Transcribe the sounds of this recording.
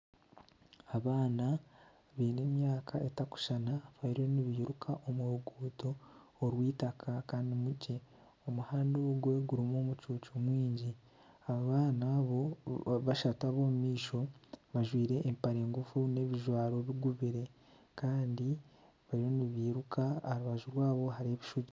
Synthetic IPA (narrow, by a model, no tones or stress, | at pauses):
aβaːna | βiːne̞ːmjaːkʰaetaku̥ʃanaβaiɾio̞niβiːɾukʰaʔo̞muuɡuːto̞ː | ɾwiːtakʰakaːndimuɟe̞ | omuhaːndoɡwe̞ɡuɾimo̞ːmut͡ʃuːt͡ʃomwiːɲɟi | aaβaːnaβo̞βaʃataβomumiːʃo̞βaʒwiːɾe̞ʔːmpaɾe̞ːŋɡufune̞βiʒwaːɾo̞βiɡuβiɾe̞ | kaːndi | βaɾiɾo̞niβiːɾukaaɾuβaʒuɾwaːβo̞ɦaɾieβiʃuɟi